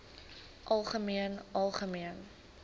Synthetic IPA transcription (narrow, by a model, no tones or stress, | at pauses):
ʔɐlˠχəmiənʔɐlˠχəmiən